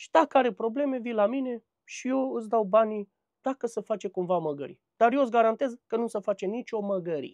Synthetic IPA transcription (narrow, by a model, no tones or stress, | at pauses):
ʃi̥d̪akəaɾe̞pɾo̞ble̞me̞vilamine̞ | ʃije̞wɨsd̪awbani | d̪̥akəsəfat͡ʃe̞kumvaməɡə̰ɾi | d̪̥arjesɡaɾant̪e̞zkənusəfat͡ʃe̞nit͡ʃo̞məɡəɾḭ